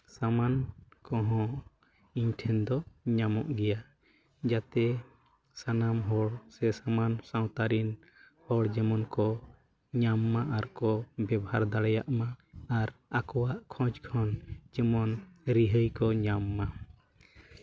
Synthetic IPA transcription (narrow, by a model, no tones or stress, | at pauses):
samankɔɦɔ̃ | iɲʈʰɛnd̪ɔɲamɔʔɡɛja | d͡ʒat̪ɛ | sanamɦɔɽsɛsamansãw̃t̪aɾin | hɔɽd͡ʒɛmɔnkɔ | ɲamːaʔaɾkɔbɛbɔhaɾd̪aɽɛja̰ʔmaaɾakɔwaʔkʰɔ̃d͡ʒkʰɔnd͡ʒɛmɔnɾiɦəjkɔɲamːa